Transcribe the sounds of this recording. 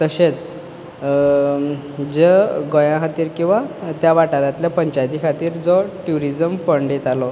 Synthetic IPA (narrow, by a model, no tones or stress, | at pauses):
t̪əɕet͡s | d͡zəɡojãɦat̪iːɾkĩw̃ʋat̪jaʋaʈaɾjat̪ljapəɲt͡ɕajt̪ikʰat̪iːɾd͡zɔʈjuɾid͡zəmfəɳɖjet̪alɔ